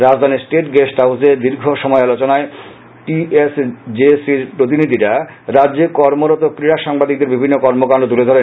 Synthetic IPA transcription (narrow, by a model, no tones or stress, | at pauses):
ɾad͡ʑd̪ʱaniɾsʈeʈɡesʈaused̪iɾɡʱoʃɔmɔealot͡ɕonae | ʈiesd͡ʑesiɾpɾot̪̬inid̪ʱiɾa | ɾadːd͡ʑekɔɾmoɾɔt̪okɾiɾaʃaŋbad̪ik̚d̪eɾbibʱinːokɔɾmokaɳɖot̪uled̪ʱoɾe